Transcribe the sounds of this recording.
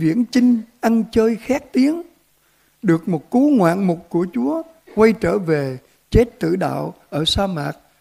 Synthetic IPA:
vḭ˧˩ənt͡ɕï˧ŋ̟ʔa˧nt͡ɕəː˧jxaː˦˥k̚t̪i˨˦əŋ | ɗɨ˨˩ək̚mo˨˩t̚ku˨˦ŋwa̰ː˧˨nmʊ˨˩t̚ku˧˩ət͡ɕu˨˦ə | kwa˧jt͡ɕəː˧˩ve˨˩ | t͡ɕe˦˥t̚t̪ɨ̰˧˩ɗa̰ː˧˨wʔəː˧˩saː˧maː˨˩k̚

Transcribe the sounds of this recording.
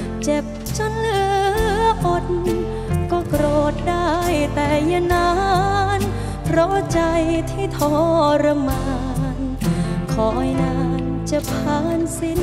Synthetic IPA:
t͡ɕe˨˩p̚ | t͡ɕʰa˧˥nlɯː˧˦˧ʔo˧t | kɔː˧˩kɾoː˨˩t̪̚daː˥˩jt̪ɛː˧˩ja˧naː˧˦n | pʰɾɔ˧˥t͡ɕa˧jt̪ʰiː˧˩t̪ʰɔː˧˩ɾa˧maː˧ | n | kʰɔː˩˦˧jnaː˧˥n | t͡ɕa˧˩pʰaː˧˥nsi˧˥n

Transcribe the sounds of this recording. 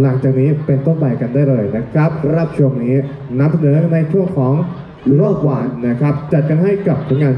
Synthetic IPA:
la˩˦ŋt͡ɕaː˨˩k̚niː˦˥pe˧nt̪o˥˩nta˧jka˧ndaː˥˩jlɤː˧jna˦˥kʰɾa˦˥p̚ɾa˥˩p̚t͡ɕʰu˧əŋniː˦˥ | na˧msa˧nɤː˩˦na˧jt͡ɕʰu˥˩əŋkʰɔː˩˦ŋ | u˨˩ɾɔː˥˩p̚waː˨˧˩na˦˥kʰɾa˦˥p̚t͡ɕa˨˩t̪̚ka˧nɦa˥˩jka˨˩p̚sʰɯ˩˦ŋaː˧n

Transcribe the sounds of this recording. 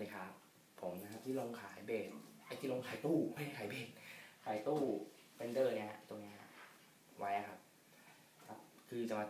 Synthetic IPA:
i˨˩kʰa˦˥˩pʰː | o˨˩˦mna˧kʰa˦˥p̚t̪ʰiː˥˩lo˧ŋkʰaː˩˦jbeː˨˩t̪̚ʔa˧jt̪ʰiː˥˩lo˧ŋkʰaː˨˩˦jt̪uː˥˩˥kʰaː˩˦jbeː˨˩t̪̚kʰaː˩˦jt̪uː˥˩ | fe˧nd̪ɤː˥˩ni˦˥ɐha̰˧t̪o˧ŋni˦˥ɐha˧ | wa˦˥jʔa˨˩kʰa˦˥p̚ | kʰa˦˥p̚kʰɯː˧t͡ɕa˧ŋwa˧˩

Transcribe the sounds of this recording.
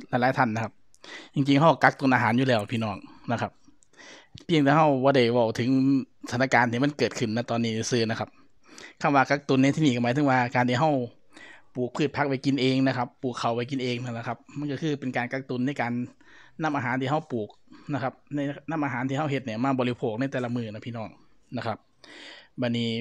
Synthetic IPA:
laː˧˩jlaː˨˦jt̪ʰa˧˩nːa˧kʰa˦˧p̚ | t͡ɕi˧ŋt͡ɕi˧ŋɦa˧˩wka˦˧˥k̚t̪u˧nʔaː˧ɦaː˩˦njuː˧lɛː˧˩wpʰiː˧nɔː˧˩ŋna˧kʰa˦p̚ | pʰi˧˥ə˨ŋt̪ʰiː˧˩ɦa˧˥˩wbɔː˧˩da˧˩jwa˧˩wt̪ʰɯ˩˦ŋ | sʰa˨˧˦nːa˧kaː˧nt̪ʰiː˧ma˧˥˨nkɤː˨˩t̪̚kʰɯ˨˩nːa˧˩jt̪ɔː˧nːiː˧˥˩ni˧˩sɯː˧˩na˦˥kʰa˦˥p̚ | kʰa˧˩mwaː˧ka˧˩k̚t̪u˧nːa˧jt̪ʰi˧niː˧˩kɔ˧˩maː˨˦t̪ʰɯ˧˦ŋwaː˧kaː˧nt̪ʰiː˧˩ɦa˧˩w | puː˨˩k̚pʰɯː˧˩t̪̚pʰa˦˥k̚wa˧˩jki˧˨nʔeː˧ŋna˧kʰa˦˥pːuː˨˩kʰːa˨˩wpa˧˩jk̬i˧˨nʔeː˧ŋna˧˩la˧kʰa˧p̚ma˧˥˨nkɔ˧˩kʰɯː˧˩pe˨nkaː˨nka˧k̚t̪u˧˦nːa˧˥˩jkaː˨nː | a˧˥˨mʔaː˧ɦaː˨˦nt̪ʰiː˧ɦa˥˩wpuː˨˩k̚na˧kʰa˧˦˥p̚na˧˩jna˧˥˨mʔaː˧ɦaː˨˦nt̪ʰiː˧ɦa˧˥˩whe˧t̪̚ni˧˩˨maː˧˥˨bɔː˨˧li˧pʰoː˧˩k̚na˧˥˩jt̪ɛː˧˩la˧mɯː˧˩na˧˥˩pʰiː˧˨nɔː˧˥˩ŋ | na˧˩kʰa˧p̚ | ba˧˩nːiː˧˥˩

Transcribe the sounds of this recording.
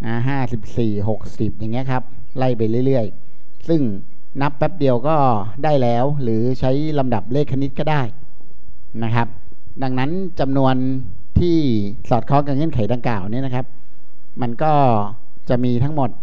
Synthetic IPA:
ʔaː˧˩ɦaː˥˩si˨˩p̚siː˨˩ɦo˨˩k̚si˨˩p̚ja˨˩ŋːi˦˥ɐkʰa˦˥p̚ | la˥˩jpa˧jlɯ˥˩jlɯ˥˩əj | sɯ˥˩ŋ | na˦˥pːɛ˦˥p̚di˧əwkɔː˥˩ | daː˥˩jlɛː˦˥wɾɯː˩˦t͡ɕʰa˦˥jla˧mda˨˩p̚leː˥˩kʰːa˧ni˦˥t̪̚kɔː˥˩daː˥˩j | na˦˥kʰa˦˥p̚ | da˧ŋna˦˥n | t͡ɕa˧mnu˧ən | t̪ʰiː˥˩ | sɔː˨˩t̪̚kʰɔː˦˥ŋka˧˩ŋɤ˥˩nkʰa˨˩˦jda˧ŋklaː˨˩wni˦˥˨na˦˥kʰa˦˥p̚ | ma˧nkɔː˥˩ | t͡ɕa˨˩miː˧t̪ʰa˦˥ŋmo˨˩t̪̚

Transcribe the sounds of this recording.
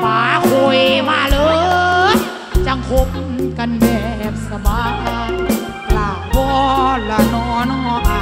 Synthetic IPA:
paː˨˦kʰo˧˩jmaː˧lɤː˧˦ | t͡ɕa˧˩ŋkʰo˧˦p̚ka˧nbɛː˧˩lɛ˧˩m̚sa˧baː˨˧˦k̪ʰa˧ | laː˨˩bɔː˧la˧˩nɔː˧˥˩n˧ŋɔː˧˦k̚a˧˩

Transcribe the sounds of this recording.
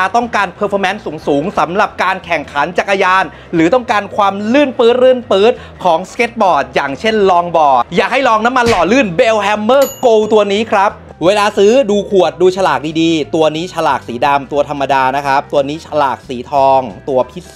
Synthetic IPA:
a˧t̪ɔ˥˩ŋkaː˧npʰɤː˧pʰɔː˧˥mɛ˦˥nsuː˩˦ŋsuː˩˦ŋsa˩˦mɾa˨˩p̚kaː˧nkʰɛ˨˩ŋkʰa˩˦nt͡ɕaː˨˩k̚ʔaː˧jaː˧n | ɾɯː˩˦t̪ɔ˥˩ŋkaː˧nkʰwaː˧mlɯ˥˩npɤː˦˥t̪̚ɾɯ˥˩npɤː˦˥t̪̚ | kʰɔː˩˦ŋskeː˦˥t̪̚bɔː˨˩t̪̚jaː˨˩ŋt͡ɕʰe˥˩nlɔː˧ŋbɔː˨˩jaː˨˩k̚ha˥˩jlɔː˧ŋna˦˥mːa˧nlɔː˨˩lɯ˥˩nbeː˧wɦɛ˧mːɤː˥˩koː˧wt̪u˧ɐniː˦˥kʰɾa˦˥p̚ | weː˧laː˧sɯː˦˥duː˧kʰu˨˩ət̪̚duː˧t͡ɕʰa˧laː˨˩k̚diː˧diː˧t̪u˧ɐniː˦˥t͡ɕʰa˧laː˨˩k̚siː˩˦da˧mt̪u˧ɐt̪ʰa˧mːa˧daː˧na˦˥kʰɾa˦˥p̚t̪u˧ɐniː˦˥t͡ɕʰa˧la̰ː˨˩k̚siː˩˦t̪ʰɔː˧ŋt̪u˧ɐpʰi˦˥

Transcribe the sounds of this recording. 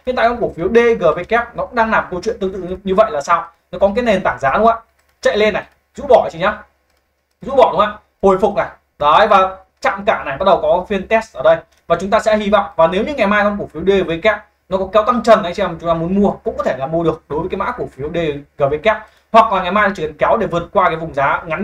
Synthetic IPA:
hḭ˨nt̪a̰ː˨kːŋ͡mku˧˩əkfi˨˦əwɗe˧ɣəː˨˩ve˨˦kɛː˦˥p̚nɔ˨˦kʊ̰˧˥ŋ͡mɗaː˧ŋlaː˨˩mkə˧wt͡ɕwḭ˧˨nt̪ɨ˧ŋt̪ɨ̰˧˨˧ɲɨ˧və̰˧˨jlaː˨˩saː˧w | nɔ˨˦kɔ˨˦k̬aː˨˦jne˨˩nt̪aː˧˩ŋzaː˨˦ɗŋ͡ma̰ː˧˨ | t͡ɕa̰˧˨jle˧nːa˨˩j | zṵ˧˥ɓɔ˧˩˨t͡ɕi˧ɲaː˨˦ | zṵ˧˥ɓɔ˧˩ɗʊ˨˦ŋ͡ma̰ː˧˨ | ho˨˧˩jfʊ˨˩k͡p̚na˨˩j | ɗə˨˦jvaː˨˩ | t͡ɕa̰ː˧˨mkaː˧˩na˨˩jɓaː˦t̚ɗə˨˩wkɔ˨˦fi˧ənt̪ɛ˦˥st̚ʔəː˧˩ɗə˧j | vaː˨˩t͡ɕʊ˨˦ŋ͡mt̪aː˧sɛ̰˧˥hi˧vɔ̰˧˨wŋ͡mvaː˨˩ne˨˦wɲɨ˧ŋa˨˩jmaː˧jɔ˧ŋ͡mku˧˩əfi˨˦əwɗe˧˨˩vəː˨˦kaː˦˥k̚ | nɔ˨˦kɔ˨˦kɛ˨˦wt̪a˧ŋt͡ɕə˨˩nʔə˨˦jt͡ɕi˧ɛ˧m˨t͡ɕʊ˨˦ŋ͡mt̪aː˧mu˨˦ənmu˧əkʊ̰˧˥ŋ͡mkɔ˨˦t̪ʰe˧˩la̰ː˨˧˩mu˧əɗɨ˨˩ək̚ɗo˨˦jvə˨˦kaː˨˦ma̰ː˧˥ku˧˩əfi˨˦əwɗe˧ɣəː˨˩vəː˨˦kaː˦˥k̚ | hwa˨˩k̚laː˨˩ŋa˨˩jmaː˧jɗaː˨˧t͡ɕi˧˩˨kɛ˨˦wɗe˧˩vɨ˨˩ət̚kwaː˧kaː˨˦jvʊ˨˩ŋ͡mzaː˨˦ŋa˨˦n

